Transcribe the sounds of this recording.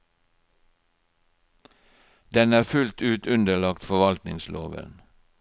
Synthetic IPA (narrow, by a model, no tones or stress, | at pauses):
d̪̥ɛnæːfʉlt̪ʉːt̪ʰʉnd̪əɭɑkt̪fɔʋɑlt̪nɪŋslo̰ːʋə̰n